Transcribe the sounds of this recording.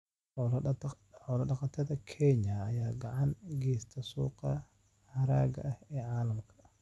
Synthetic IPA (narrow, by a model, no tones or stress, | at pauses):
ħɔl | ħɔːlɐɖɑqɑt̪ʰɐðɐkʰɛɲɐːjaːɡɑʕɑnɡɛːst̪ʰɐsuːqɑ | hɐɾa̰ːɡɐ̰ʔɐhɛːʕaːlɐmkʰɐ̥